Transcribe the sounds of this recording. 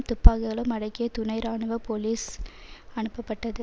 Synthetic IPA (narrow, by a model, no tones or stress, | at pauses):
mt̪ʊpːaːɣɯɣɐɭɯ̃mɐɽɐɪkːɪjɐt̪ʊnɐɪɾaːɳɯʋɐpoːliːs | ɐɳɯpːɐpːɐʈːɐðɯ